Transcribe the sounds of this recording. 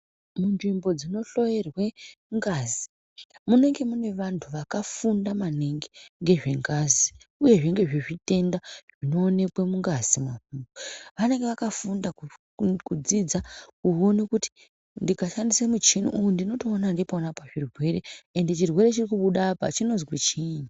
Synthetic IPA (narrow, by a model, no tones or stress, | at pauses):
munʐimbo̞d͡zino̞ɬo̞jerwe̞ŋɡazi | mune̞ŋɡe̞mune̞ʋantʰuʋakafundamaneŋɡeŋɡe̞ʐe̞ŋɡazi | uje̞ʐeŋɡe̞ʐeʐite̞ndaʐ̥ino̞ːne̞kwemuŋɡazimaɸuːmboʋane̞ŋɡeʋakafundaku | kud͡zid͡zakuo̞nekuti̥ | ndikaʃandisemut͡ʃinṵʔujondino̞toːnandiponapaʐirwe̞re̞endet͡ʃirwe̞ɾe̞t͡ʃirikuɓuɗapa̰t͡ʃino̞zwet͡ʃiɲu